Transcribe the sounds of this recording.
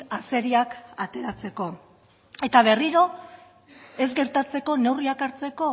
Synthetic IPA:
ase̞ɾiakat̪e̞ɾat͡se̞ko̞ | e̞t̪aβ̞e̞riɾo̞ | e̞zɡe̞ɾt̪at͡se̞ko̞ne̞wriakaɾt͡se̞ko̞

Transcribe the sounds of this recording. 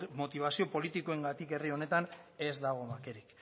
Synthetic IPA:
mo̞t̪iβ̞asio̞po̞lit̪iko̞e̞ŋɡat̪ike̞rio̞ne̞t̪ane̞zd̪aɣ̞o̞make̞ɾik

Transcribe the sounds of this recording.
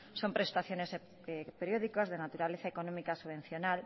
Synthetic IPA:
sompɾest̪aθjones | peɾjoðikozðenat̪uɾaleθaekonõmikasuβẽn̟θjonal

